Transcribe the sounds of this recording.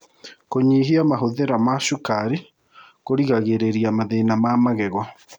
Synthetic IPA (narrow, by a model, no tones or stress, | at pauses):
koɲiɦiamaɦoðeɾamaʃukaɾi | koɾiɣaɣeɾeɾiamaðeinamamaɣɛɣɔ